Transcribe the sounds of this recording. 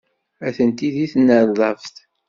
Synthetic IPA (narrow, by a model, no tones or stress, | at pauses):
æθənt̪iðiθnːəɾðˤɑvt̪